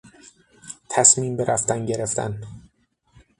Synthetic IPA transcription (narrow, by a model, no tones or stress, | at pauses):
t̪ʰæsmiːmbeɾʔæft̪ænɟe̞ɾe̞ft̪ʰæ̰n